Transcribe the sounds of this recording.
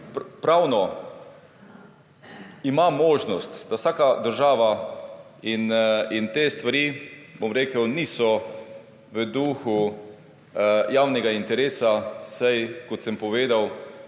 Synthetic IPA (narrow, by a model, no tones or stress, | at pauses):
ppɾawnɔ | imamoːʒnɔst̪d̪awsaːkad̪əɾʒaːʋa | inint̪eːst̪ʋaɾiːbomɾeːkəwniːsɔ | ʋəd̪uːxu | jaːwnɛɡaint̪ɛɾeːsasajkɔt̪sɛmpɔʋeːd̪aw